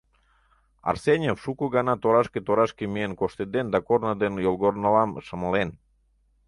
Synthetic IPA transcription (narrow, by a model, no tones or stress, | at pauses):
ɑ̰rsenʲefʃukoɣɑnɑt̪oɾɑʃket̪oɾɑʃkemienkoʃt̪ed̪end̪ɑkornəd̪enjolˠɣornəlɑmʃəməlen